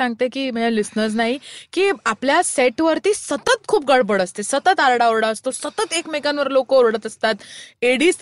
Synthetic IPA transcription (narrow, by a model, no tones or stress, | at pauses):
ãŋɡt̪ekiːmalisnəɾd͡z̬naɦikiːapljaseʈʋəɾt̪iːsət̪ət̪̚kʰuːp̚ɡəɽbəɽəst̪esət̪ət̪aɾɽaoɾɽaəst̪osət̪ət̪ekmekanʋəɾlokəoɾɽət̪əst̪at̪eɽiːs